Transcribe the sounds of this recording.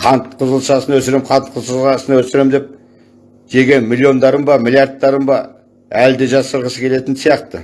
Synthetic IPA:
qʰɑnt̪qʰʊzəlˠʃɑsənwɵsɪɾemqʰɑnt̪̚qʰʊzəlˠʃɑsənɑwɵsɪɾemd̪e̞p̚ | ʒe̞ɡʲe̞mʲilʲːio̞nd̪ɑɾəmbɑmilʲjɑɾt̪ːɑɾəmbɑ | æld̪e̞ʒɑsːəɾʁəsəkʲʰe̞le̞t̪ɪnsijɑqt̪ə

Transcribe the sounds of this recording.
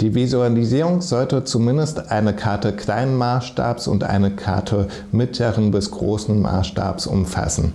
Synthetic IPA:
d̥iːvizualiziːʁʊŋz̥ɔltət͡sumɪndəstʔaɪnəkʰaɐtəkʰl̥aɪnənmaːsʃta̰ːpsʊ̰ntʔa̰ɪnəkʰa̰ɐtʰə | mɪtʰləʁənbɪsɡ̥ʁoːsn̩mʔa̰ːsʃta̰ːpsʔʊ̰mfa̰sn̩

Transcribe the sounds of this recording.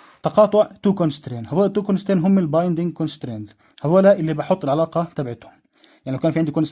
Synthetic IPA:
t̪ɑqɑːt̪ˤʊʕt̪uːkonst̪ɾeːnhæawæːlæt̪uːkʊnst̪ɾeːnɦʊmːɪlbɑjnd̪ɪŋ̚konst̪ɾend̪ | hawæːlæʔɪlːibɑħʊt̪ˤːɪlʕalɑːqɑt̪abʕɪt̪ʊ̥ | jaʕnilawkæːnfiʕɪnd̪ikʊns

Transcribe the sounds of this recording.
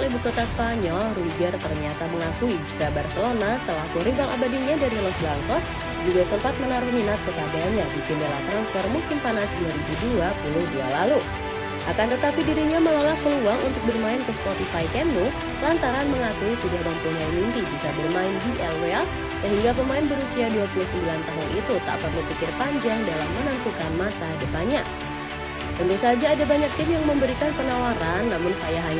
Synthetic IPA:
libukot̪aspaɲɔlruiɡɛrt̪ərɲat̪aməŋakuid͡ʒukabarsəlonasəlakuɾiɡaŋʔa̰badiɲadaɾilɔsblaŋkɔs | d͡ʒuɡasəmpat̪̚mənaɾʊhminat̪̚kəpaɡaɲadid͡ʒunəla̰ht̪ɾanspɔrmusɪmpanasduaɾibuduapulʊhdua̰lalu | ʔakant̪ət̪apidiɾiɲaməlalahkəluaŋʔṵnt̪ʊk̚bərmaɪnkəspot̪ifajkɛnu | lant̪aɾanməŋak̪uisudahbant̪uŋlaimint̪ibisabərmaɪnd͡ʒiʔɛlɛl | səɦiŋɡap̬əmaɪnbəɾusiaduapulʊhsəmbilant̪aɦʊnʔit̪ut̪a̰ʔpərlupikɪrpaɲd͡ʒaŋdalahmːənant̪ukanmasadəp̪aɲa | t̪ənt̪usad͡ʒaːdabaɲak̚t̪ɪmjaŋməmbəɾikanpənawaɾanːamʊnsajaɦaɲa

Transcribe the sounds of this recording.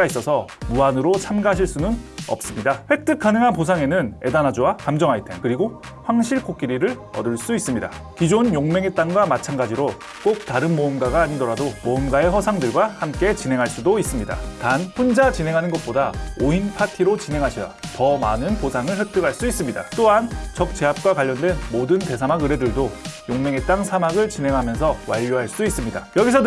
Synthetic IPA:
ais͈ʌsʰʌmuanɯɾot͡ɕʰamɡaaɕʰiɭs͈unɯnʌ̰p̚s͈ɯmɲidaɸwe̞k̚t͈ɯk͈̚anɯŋɦanposʰaŋe̞nɯne̞̰danad͡ʑowakamd͡ʑʌŋɦaitʰenkɯɾiɡo | ɸwaŋɕʰiɭk͈ok͈iɾiɾɯɾ | ʌ̰dɯɭs͈uis͈ɯmɲida̰ | kid͡ʑonjoŋme̞ŋe̞t͈aŋɡwamat͡ɕʰanɡad͡ʑiɾo | k͈ok̚taɾɯnmoɯmɡaɡaːɲidʌɾadomoɯmɡae̞hʌsʰaŋdɯɭɡwahamk͈e̞t͡ɕineŋɦaɭs͈udois͈ɯmɲida̰tanɸund͡ʑat͡ɕinɦe̞ŋɦanɯnɡʌt̚p͈odaoinpʰatʰiɾot͡ɕine̞ŋɦaɕʰʌʌtʌmanɯnposʰaŋɯɭɸek̚t͈ɯɡɦaɭs͈uis͈ɯmɲida̰t͈oɦant͡ɕʌk̚t͡ɕ͈e̞ɦap̚k͈wakwaʎːʌndwe̞nmodɯnte̞sʰamaɡɯɾe̞dɯɭdojoŋme̞ŋe̞t͈aŋsʰamaɡɯɭt͡ɕine̞ŋɦamjʌnsʰʌwaʎːoɦaɭs͈uis͈ɯmɲida̰jʌɡisʰʌ

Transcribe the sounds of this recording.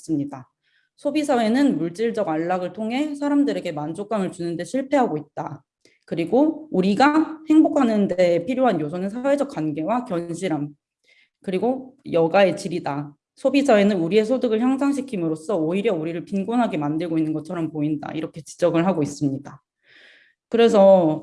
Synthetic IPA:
s͈ɯmɲida | sʰobisʰawe̞nɯnmuɭt͡ɕ͈iɭd͡ʑʌɡaɭːaɡɯɭtʰoŋɦe̞sʰaɾamdɯɾe̞ɡe̞mand͡ʑok͈aŋɯɭt͡ɕunɯnde̞ɕʰiɭpʰe̞ɦaɡoit̚t͈a | kɯɾiɡouɾiɡahe̞ŋbokʰanɯnde̞ːpʰiɾjoɦanjosʰʌnɯnsʰawe̞d͡ʑʌk̚k͈wanɡe̞wakjʌnɕʰiɾam | kɯɾiɡojʌɡae̞t͡ɕiɾida | sʰobid͡ʑʰawe̞nɯnuɾie̞sʰodɯɡɯɭçjʌŋsʰaŋɕ̬ʰikʰimɯɾos͈ʌoiɾjʌuɾiɾɯɭpinɡonɦaɡe̞mandɯɭɡoinːɯnɡʌt͡ɕʰʌɾʌmpoinda̰ḭɾʌkʰe̞t͡ɕi̥d͡ʑʌɡɯɭɦaɡois͈ɯmɲida | kɯɾe̞s̬ʰʌ

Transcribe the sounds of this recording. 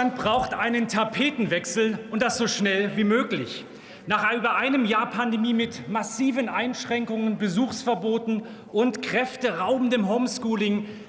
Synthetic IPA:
anb̥ʁaʊxtʔaɪnəntʰapʰeːtn̩vɛksl̩ʔʊnt̚d̥asz̥oːʃnɛlviːmøːklɪ̰ç | naːχyːbɐʔaɪnəmjaːɐpʰandemiːmɪtmasiːvənʔaɪnʃʁ̥ɛŋkʊŋənbəzuːxsfɛɐboːtn̩ | ʔʊntkʁ̥ɛftəʁaʊbm̩dəmɦoʊmskuːlɪŋ

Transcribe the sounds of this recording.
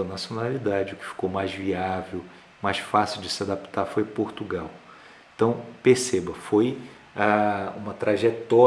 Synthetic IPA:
ɐnasionalid̪ad͡ʒɪʊkɪ̥fi̥kowmajzviavew | majsfasiwd͡ʒɪsɪad̪apt̪aɾfojpoɾt̪uɡaw | ẽt̪ɐ̃w̃peɾsebɐfoj | aũmɐt̪ɾaʒet̪ɔ

